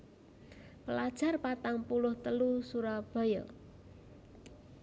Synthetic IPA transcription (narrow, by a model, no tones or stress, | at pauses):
pəlad̥ʒ̥a̤rpat̪aŋpulʊht̪əlusuɾɔb̥a̤jɔ̰